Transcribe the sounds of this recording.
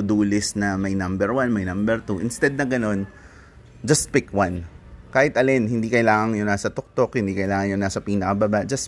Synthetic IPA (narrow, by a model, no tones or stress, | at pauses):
ʊd̪uːlɪsnɐmɐjnɐ̃mbɛɹwanmɐjnãmbɛɹt̪uʔɪnst̪ɛd̪̚nɐɡɐno̞n | d͡ʒɐst̪̚pɪkwankaːhɪt̪ʔɐlɛnhɪnd̪iːkɐjlaːŋɐŋjonnaːsɐt̪ok̚t̪okhɪnd̪iːkɐjlaːŋɐnjonaːsɐpiːnɐkɐbɐbaʔd͡ʒɐs